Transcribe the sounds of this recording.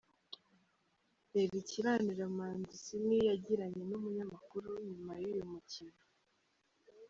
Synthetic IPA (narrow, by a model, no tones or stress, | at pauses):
eɾiciɾaniɾamaːndisimijaɟiɾaɲe̞numuɲamakuɾuɲumajujumucino